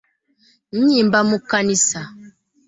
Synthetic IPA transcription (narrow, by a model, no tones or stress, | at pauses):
n̩ɲimbamukanisa